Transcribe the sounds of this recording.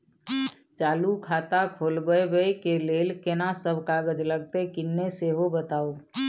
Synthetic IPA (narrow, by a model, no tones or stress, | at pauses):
t͡ʃaːlukʰaːt̪akʰoːlbəebəekeleːlkenasəbkaːɡəd͡ʒləɡt̪ekɪnːeseɦobət̪aːoː